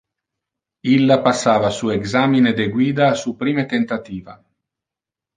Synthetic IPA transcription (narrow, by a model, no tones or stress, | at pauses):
ilːapasːaːvasuːeɡzaːmined̪eɡwiːd̪aːsupɾiːmet̪ent̪at̪iːva